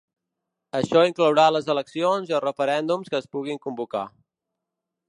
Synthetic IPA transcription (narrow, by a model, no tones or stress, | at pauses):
əʃɔiŋkləwɾaləzələksionziəlˠrəfəɾɛnd̪umskəːspuɣiŋkumbuka̰